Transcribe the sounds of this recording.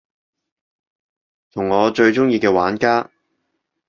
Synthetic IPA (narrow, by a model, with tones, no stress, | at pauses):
t̪ʰʊ˨˩ŋɔː˨˧t͡ʃɵ˧ɥt͡ʃʊ˥ŋjiː˧kɛː˧waː˨˥nkaː˥